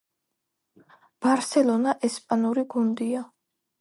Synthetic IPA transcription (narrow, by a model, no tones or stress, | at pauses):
b̥aɾsɛlˠɔnaʔɛspʼanuɾiɡund̪ia